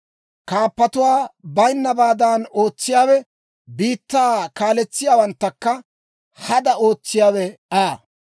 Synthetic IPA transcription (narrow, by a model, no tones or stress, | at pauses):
kaːpːɐt̪ʊwaːbɐjnːɐbaːd̪aːno̞ːt͡sːɪjaːwɛ | biːt̪ːaːkaːlɛt͡sːɪjaːwɐnt̪ːɐkːɐ | hɐd̪ɐo̞ːt͡sːɪjaːwɛaː